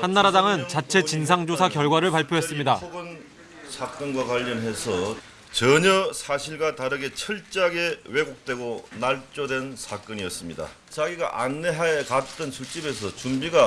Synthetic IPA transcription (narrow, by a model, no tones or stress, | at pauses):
hanːaɾadaŋɯnt͡ɕat͡ɕʰe̞t͡ɕins̬ʰaŋd͡ʑosʰakjʌɭɡwaɾɯɭpaɭpʰjoɦe̞s͈ɯmɲidaoɡɯn | sʰak͈ʌnɡwakwaʎːʌnɦesʰʌ | t͡ɕʌɲʌsʰaɕʰiɭɡwataɾɯɡe̞t͡ɕʰʌɭt͡ɕ͈aɡe̞we̞ɡok̚t͈we̞ɡonaɭt͡ɕ͈odwe̞nsʰak͈ɯɲiʌs͈ɯmɲida̰ | t͡ɕaɡiɡa̰ʔanːe̞ɦajekat͈ɯnsʰut͡ɕ͈ibe̞s̬ʰʌt͡ɕumbiɡa